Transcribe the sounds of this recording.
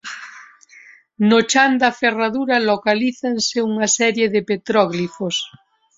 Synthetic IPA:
not͡ʃand̪aferaðuɾalokaliθanseuŋasɛɾjeðepet̪ɾɔɣlifos

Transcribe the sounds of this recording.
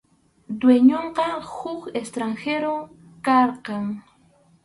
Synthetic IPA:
d̪weɲoɴqɑhʊkest̪ɾaŋxeɾo | kɑɾqɑŋ

